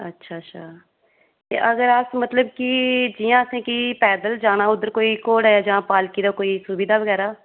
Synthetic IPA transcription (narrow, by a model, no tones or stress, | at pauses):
ə̰tːʃʰaːʃʰaː | t̪ḛːʔəɡəɾasmət̪ləb̚kid͡ʒijãːsẽːkipɛːd̪əld͡ʒaːnaːʊd̪əɾkoːikoːɽaːjaːd͡ʒãːpaːlkiːd̪akoːiːsʊbiːd̪aːʋəɡɛːɾaː